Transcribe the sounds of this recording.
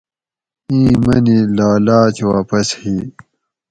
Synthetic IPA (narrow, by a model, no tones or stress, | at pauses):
ĩːmɐ̰nilaːlaːt͡ɕwaːpɐshiː